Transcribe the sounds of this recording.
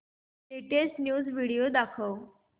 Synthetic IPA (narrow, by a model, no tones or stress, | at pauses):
t̪eʈesʈnjuːd͡zʋiɽijod̪akʰəw